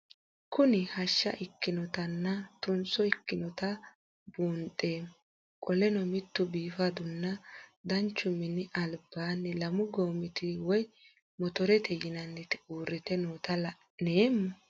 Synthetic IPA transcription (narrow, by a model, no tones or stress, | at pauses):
kʊnɪhɐʃːɐ̰ʔɪkːɪnɔt̪ɐnːɐt̪ʊnsɔɪkːɪnɔt̪ɐ | buːntʼːeː | kʼɔlɛnɔmɪt̪ːʊbiːfɐd̪ʊnːɐd̪ɐnt͡ʃːʊmːɪnːɪʔɐlbaːnːɛlɐmʊɡoːmɪt̪ɪwɔj | mɔt̪ɔɾɛt̪ʰɛjɪnɐnːɛt̪ɪuːrːɛt̪ɛnoːt̪ɐlɐ | neːmːɐ